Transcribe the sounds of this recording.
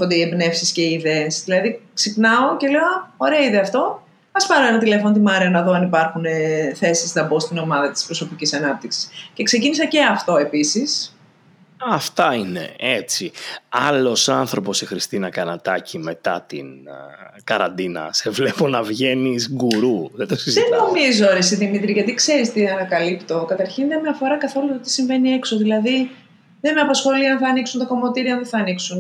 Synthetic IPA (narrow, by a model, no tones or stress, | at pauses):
ond̪eiebne̞fsisce̞iːðeːsðilɐðiksipnɐoce̞le̞oɐoɾeɐiðeɐft̪o̞ | ɐspɐɾoenɐt̪ile̞font̪imɐɾeɐnɐðo̞ɐnipɐɾxuneθe̞sisnɐbo̞st̪ino̞mɐðɐt̪i̥spɾo̞so̞picisɐnɐp̚t̪iksi̥sce̞kse̞cinisɐce̞ɐft̪o̞e̞pisis | ɐft̪ɐine̞̰et͡siɐlo̞sɐnθɾo̞po̞sixɾist̪inɐkɐnɐt̪ɐcime̞t̪ɐt̪ḭn | kɐɾɐ̰nd̪inɐ̰sevle̞po̞nɐvʝe̞nisɡuɾuðed̪osiziðeno̞mizooɾesiðimit̪ɾiʝɐt̪ikse̞ɾist̪iɐnɐkɐlipt̪o̞kɐt̪ɐɾçinðemeɐfo̞ɾɐkɐθo̞lut̪ot̪i̥siɱve̞nie̞kso̞ðilɐði | ðemeɐpɐsxo̞liɐnθɐːniksunt̪ɐko̞mo̞t̪iɾioɐnðeθɐːniksun